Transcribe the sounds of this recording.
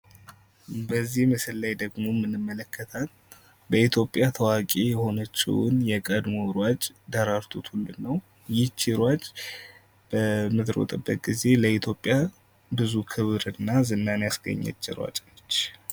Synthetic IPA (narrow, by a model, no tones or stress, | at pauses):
bəzːihməsɨlːajd̪əɡmo̞mːɨnɨmːələkːət̪ʰan | bəit̪ʰjo̞pʼjat̪ʰəwakʼejɛho̞nət͡ʃːḭw̰njɛkʼəd̪moɾwat͡ʃʼd̪əɾaɾt̪ʰot̪ʰhulːɨːəw | jɪt͡ʃːiɾwat͡ʃʼ | b̥əmɨt̪ɾo̰t̪ʼɨbːət̪̚ɡize̞ləit̪ʰjo̞pʼːja | bɨzukʰɨβɾɨnːazɨnːanjasɡə̰ɲːə̰t͡ʃːɪɾwa̰t͡ʃʼt͡ʃː